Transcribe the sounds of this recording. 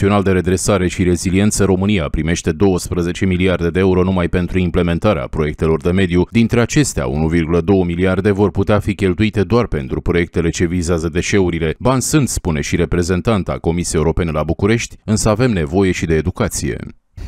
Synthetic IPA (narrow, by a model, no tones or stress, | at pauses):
io̞nald̪e̞ɾe̞d̪ɾe̞saɾe̞ʃiɾe̞zilie̞nt̪səɾo̞mɨniapɾime̞ʃt̪e̞d̪o̞wəspɾəze̞t͡ʃe̞miliard̪e̞d̪eeuɾo̞numajpe̞nt̪ɾuimple̞me̞nt̪aɾea̰pɾo̞je̞k̚t̪e̞lo̞rd̪e̞me̞d̪jud̪int̪ɾe̞at͡ʃe̞st̪ea̰ṵnuvirɡuləd̪o̞wəmiliard̪e̞vo̞rput̪eafikʲe̞lt̪uit̪e̞d̪oarpe̞nt̪ɾupɾo̞je̞k̚t̪e̞le̞t͡ʃe̞vizeazəd̪e̞ʃe̞uɾile̞banʲsɨnt̪spune̞ʃiɾe̞pɾe̞ze̞nt̪ant̪a̰ko̞misijeuɾo̞pe̞ne̞labukuɾe̞ʃt̪ʲɨnsəave̞mne̞vo̞je̞ʃid̪e̞ːd̪ukat̪sije̞̰